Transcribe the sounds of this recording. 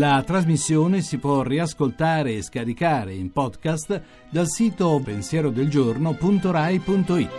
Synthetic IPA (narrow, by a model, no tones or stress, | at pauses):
lat̪ɾazmisːjoːnesipwɔriaskolt̪aːɾeːskaɾikaːɾeimpɔd̪kast̪ | d̪alsiːt̪opensjɛːɾod̪eld͡ʒornopunt̪oɾajpunt̪oit̪ː